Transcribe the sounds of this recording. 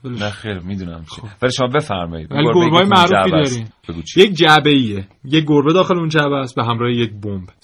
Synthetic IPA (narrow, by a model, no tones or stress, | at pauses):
belnæxeɾmid̪unæ̰mt͡ʃeovæliʃomɒbefæɾmɒ̰jḭd̪væliɡoɾbeɒːjemæʔɾuːfid̪ɒɾimbeɡut͡ʃʰjek̚d͡ʒæbeiejec̚ɡoɾbe̞d̪ɒːxe̞leund͡ʒæbæsbeɦæmɾɒːhejec̚bomb